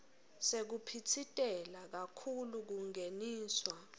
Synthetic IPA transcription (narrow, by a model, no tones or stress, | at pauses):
sek̬upʰit͡sʰitʼɛlak̬akʰuluk̬uŋeniːswa